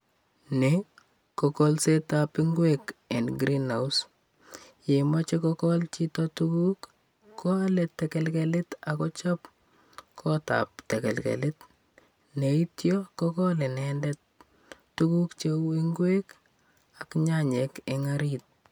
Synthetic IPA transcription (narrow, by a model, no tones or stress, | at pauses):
ne | kɔkɔlsetapɪŋɡwekɛnɡɾinaus | jemat͡ʃekɔkɔlt͡ʃitɔtukukː | ɔalɛtːɛkɛlkɛlɪtakɔt͡ʃɔp | kʰɔta̰p̚tɛkɛ̰lkɛ̰lɪt | neitjɔkɔkɔlɛnɛndɛtː | ukukt͡ʃewiŋɡwek | akɲaɲekeŋaɾit̚